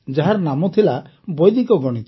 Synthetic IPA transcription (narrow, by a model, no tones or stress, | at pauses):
d͡ʒaɦaɾɔnamɔt̪ʰila | bɔjd̪ikɔɡɔɽ̃it̪ɔ